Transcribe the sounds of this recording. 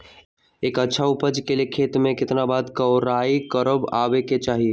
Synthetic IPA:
eːkətːʃʰaupəd͡ʒkelekʰet̪mẽkɪt̪nabad̪kəʊɾaikəɾəbabeket͡ʃaɦi

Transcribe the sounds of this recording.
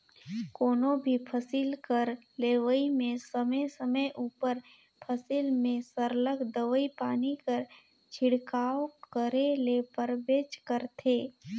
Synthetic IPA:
koːnõbʱipʰəsɪlkəɾ | leːʋəimẽsəməjsəməjʔuːpəɾ | pʰəsɪlmẽsəɾləɡd̪əʋəipaːnikəɾ | t͡ʃʰɪɽkaːwkəɾelepəɾbeːt͡ʃkəɾt̪ʰeː

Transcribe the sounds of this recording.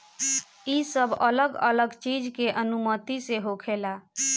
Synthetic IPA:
isəbʱələɡə̰ləɡt͡ʃid͡ʒkeʔənumət̪iseɦokʰela

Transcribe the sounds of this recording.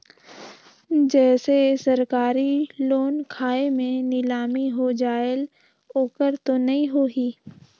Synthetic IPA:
d͡ʒɛːsesɐɾkaːɾiloːnkʰaːemẽnɪlaːmiɦod͡ʒaːl | oːkəɾt̪onɐɦĩɦoɡiː

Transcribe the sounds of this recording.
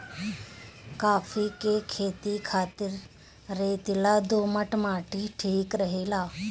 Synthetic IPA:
kaːfʰiːkekʰeːt̪ikʰaːt̪ɪɾː | eːt̪ɪlaːd̪oːməʈmaːʈiːʈʰiːkɾəɦeːlaː

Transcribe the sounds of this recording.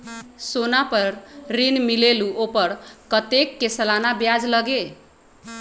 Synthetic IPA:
sonapəɾɾinmileluʔopəɾkət̪ekːesəlanabjad͡ʒləɡe

